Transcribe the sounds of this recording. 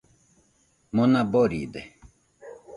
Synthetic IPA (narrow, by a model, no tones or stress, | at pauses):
munaboɾḭd̪e